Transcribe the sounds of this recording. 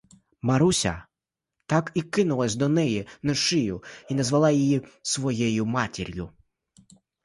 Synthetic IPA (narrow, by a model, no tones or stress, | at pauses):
mɐɾusʲɐ̰ | t̪ɑkikɪnʊlˠɐsʲd̪ɔnɛjinɔʃɪjʊinɐzʋɐlˠɑjijisʋɔjɛjʊmɑtʲiɾʲjʊ